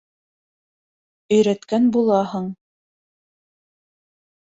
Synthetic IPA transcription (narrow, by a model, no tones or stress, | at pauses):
ɵ̆jɾæt̪kænbulˠɑhɤɴ